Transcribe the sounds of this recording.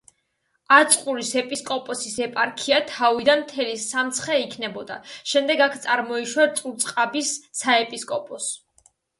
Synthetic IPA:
at̪sʼqʼuɾisɛpʼiskʼɔpʼɔsisɛpʼaɾkʰiat̪ʰavid̪anmt̪ʰɛlisamt̪sʰχɛikʰnɛbɔd̪a̰ʃɛmd̪ɛɡakʰt̪sʼaɾmɔiʃwaɾt̪sʼuɾt̪sʼqʼabisːaɛpʼiskʼɔpʼɔs

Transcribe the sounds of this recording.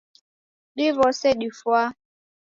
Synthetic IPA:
ɗivɔsɛɗifwa

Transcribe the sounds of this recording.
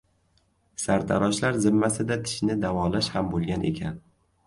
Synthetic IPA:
saɾt̪ʰa̰ɾɒʃlaɾzɪmːasɪd̪at̪ʰɪ̥ʃnɪd̪avɒlaʃhambolˠɡʲanʔe̞̰kʲʰan

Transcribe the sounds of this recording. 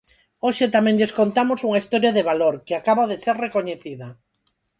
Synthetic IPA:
oʃet̪amɛ̃ŋʎeskont̪amosuŋaist̪oɾjaðeβaloɾkɪakaβaðeseɾrekoɲeθiðɐ

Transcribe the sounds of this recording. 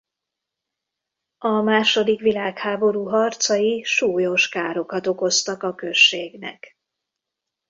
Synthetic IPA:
ɒmaːʃo̞d̪ikʋilaːkhaːbo̞ɾuːɦɒrt̪sɒjiʃuːjo̞ʃkaːɾo̞kɒt̪o̞ko̞st̪ɒkɒkø̞ʃːeːɡnɛ̰k

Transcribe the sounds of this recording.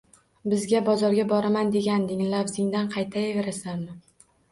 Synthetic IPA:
bɪzɡʲabɒzɒɾɡʲabɒɾamand̪e̞ɡʲand̪ɪŋlavzɪŋd̪anqʰɑjt̪ʰajave̞ɾasanmɪ

